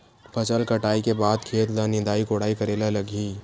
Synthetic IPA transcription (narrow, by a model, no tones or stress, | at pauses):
pʰɐt͡ʃəlkɐʈaːikebaːd̪kʰeːt̪d̪anɪ̃d̪aːikoɽaːikɐɾeːlalɐɡʱiː